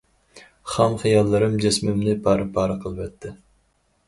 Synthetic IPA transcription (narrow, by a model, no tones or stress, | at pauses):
χɑmχijɑlˠːɨɾɨmd͡ʒesmɪmnɪpʰɑːɾɨpʰɑːɾɨqʰəlˠɨvɛt̪ʰːɪ